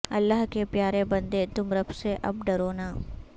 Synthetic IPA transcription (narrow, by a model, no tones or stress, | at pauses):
ɐlːaɦkepjaːɾebɐ̃nd̪et̪ʊmɾɐbseʔɐb̚ɖɐɾoːnaː